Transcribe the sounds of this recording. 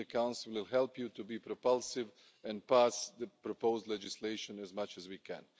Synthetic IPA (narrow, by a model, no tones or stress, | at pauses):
ɨkãw̃nsɪl̩ˠwɪlˠɦɛlˠpjutubiːpɾɔpalˠsɪv | ɛ̃npasðəpɾɔpoʊzdˡlɛd͡ʒɪsleɪʃɔ̃nɛzmat͡ʃɛzwikʰɛ̰̃n